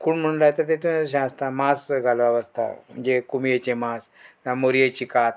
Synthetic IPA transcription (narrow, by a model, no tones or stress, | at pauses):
kuːɳm̤əɽ̃ũnlajt̪əɾt̪et̪unɕãast̪amasɡʱalʋaʋəst̪a̰m̤ə̰ɳd͡zekumijet͡ɕemas | amoɾijet͡ɕikat̪̚